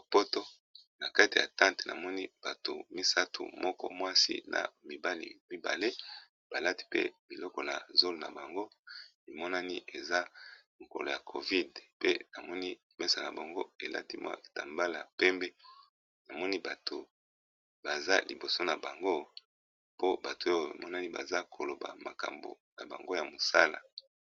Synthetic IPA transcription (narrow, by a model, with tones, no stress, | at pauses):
po˦to˦ | na˨ka˦ti˨ja̰˨tã˦nte˨na̰˨mɔ˦ni˦b̥a˨to̰˨mi˦sa˦tʰṵ˨mɔ˦kɔ̰˦mwa˦sḭ˦na̰˨mi˨ba˦lḭ˨mi˦ba̰˨le˦ | b̥a˨la˦ti̥˦pḛ˦bi˨lɔ˦kɔ˨na̰˨zo˦lo˨na̰˨ba˨ŋɡo˦ | i˨mɔ˦na˦ni˦ʔe˨za˦mo˨ko̰˨lo˨ja˨kʰo˨vi˦dpe˦na˨mɔ˦ni˦i˨mɛ˦sa˨na˨ba˨ŋɡo˦e˨la̰˦ti˦mwa̰˦e˨ta˨mba˦la˨pɛ˦mbɛ˦ | na˨mɔ˦ni˦ba˨tʰo˨ | ba˨za˦lḭ˨bo˨so˦na˨ba˨ŋɡo˦ | po˦ba˨to˨˦o˦˨a̰˨mɔ˦na˦ni˦ba̰˨za˦kʰo˨lo˨ba̰˨ma˨ka̰˨mbo̰˨na̰˨ba̰˨ŋɡo˦ja˨mo˨sa˦la̰˨